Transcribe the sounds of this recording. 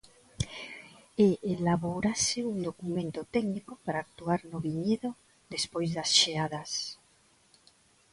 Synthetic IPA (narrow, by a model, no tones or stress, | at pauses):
eʔelaβoɾasɪuŋd̪okumẽnt̪ot̪ɛɡnikopaɾaːk̚t̪uaɾnoβiɲeðo | d̪espojzðasʃeaðas